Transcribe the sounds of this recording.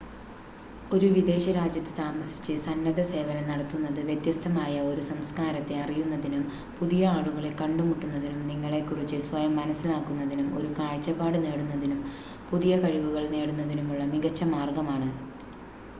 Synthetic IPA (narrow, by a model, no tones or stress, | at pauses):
o̞ɾuʋid̪e̞ːɕɐɾaːd͡ʑjɐt̪ːɨ̥t̪aːmɐsi̥t͡ɕːɨsɐnːɐðɐse̞ːʋɐnɐmnɐɽɐt̪ːunːɐðɨʋjet̪jɐst̪ʰɐmaːjɐo̞ɾusɐmskaːɾɐt̪ːe̞ɐrijunːɐðinum | puðijɐaːɽuɣɐɭekɐɳɖumuʈːunːɐðinumniŋːɐɭe̞kːurit͡ɕːɨswɐjɐmːɐnɐsːilaːkːunːɐðinumo̞̰ɾukaːɻt͡ɕːɐpːaːɽɨne̞ːɽunːɐðinum | puðijɐkɐɻiʋuɣɐɭne̞ːɽunːɐðinumuɭːɐmiɣɐt͡ɕːɐmaːrɡɐmaːɳɨ